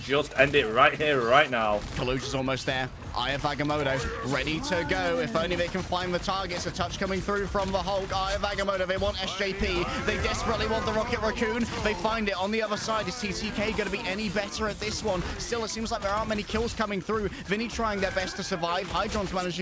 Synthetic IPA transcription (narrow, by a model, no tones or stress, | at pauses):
d͡ʒʌstɛ̰̃ndɪt̚ɹaɪt̚hiəɹaɪtⁿnaʊkʰəlʉʒɨzɔlˠmoʊst̪̚ðə˞ | ʔa̰ɪəvæɡəmoʊɾoʊɹɛɾiɾɨɡoʊɪfõʊ̃nliðeɪkɨ̃nfãɪ̃nðɨtʰɑɹɡɨtsɨtʰʌt͡ʃkʰʌ̃mɪ̃ŋθɹʉfɹʌ̃mðəɦɔlˠkaɪəvæɡəmoʊɾoʊðeɪwɑ̃ntɛsʒ̥eɪpʰiðeɪdɛspɹətˡliwɑ̃nðəɹɑkɨt̚ɹəkʰʉ̃nðeɪfãɪ̃ndɨɾn̩ðiʌðə˞saɪdɨ̥tʰitʰikʰeɪɡʌɾəbiʔɛnibɛɾə˞ɨt̪̚ðɪswʌ̃nstɪlˠətsĩmzlaɪk̚ðə˞ɑɹnmɛnikʰɪlˠz̥kʰʌmɪ̃ŋθɹʉ | vɪ̃ñitʰɹ̥aɪɪ̃ŋðə˞bɛstʰɨsə˞vaɪv̥haɪdɹə̃nzmænɨd͡ʒɪ̃ŋ